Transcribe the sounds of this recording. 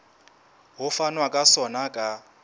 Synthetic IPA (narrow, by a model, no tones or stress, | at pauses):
ɦʊfanwakʼasɔnakʼa